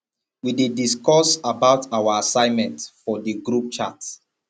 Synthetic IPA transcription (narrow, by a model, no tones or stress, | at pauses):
widediskɔsabaʊtʰawaasãɪ̃nmɛ̃ntfɔdiɡɹup̚t͡ʃats